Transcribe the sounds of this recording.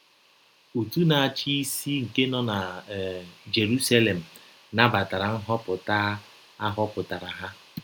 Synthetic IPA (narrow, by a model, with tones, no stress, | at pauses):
u˨tu˦na˨a˨t͡ʃi˦i˦si˦ŋ̩˨ke˦nɔ˦na˨ | d͡ʒe˨ɾu˦sa˦le˨m̩˨ | na˦ba˨ta˨ɾa˨ŋ̩˦ɦɔ˦pʊ˨ta˦ | a˦ɦɔ˦pʊ˨ta˨ɾa˨ɦa˦